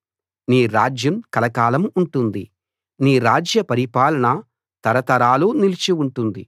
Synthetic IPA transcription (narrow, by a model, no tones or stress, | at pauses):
niːɾaːd͡ʒjɐmkɐlɐkaːlɐmuɳʈund̪i | niːɾaːd͡ʒjɐpɐɾipaːlɐɳɐ | t̪ɐɾɐt̪ɐɾaːluːnilit͡ʃiuɳʈund̪i